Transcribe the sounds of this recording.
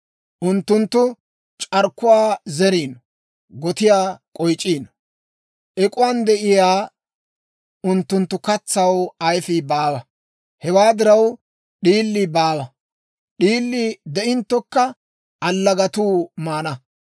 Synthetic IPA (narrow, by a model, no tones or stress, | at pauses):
ʔʊnt̪ːʊnt̪ːʊ | t͡ʃʼɐɾkːʊwaːzɛɾiːnɔ | ɡɔt̪ɪjaːkʼɔjt͡ʃʼːiːnɔ | ʔɛkʼʊwand̪ɛʔɪjaː | ʊnt̪ːʊnt̪ːʊkɐt͡sːɐwɐjfɪbaːwɐ | hɛwaːd̪ɪɾɐw | ɗiːlːibaːwɐ | ɗiːlːɪd̪ɛʔɪnt̪ːɔkːɐ | ɐlːɐɡɐt̪uːmaːnɐ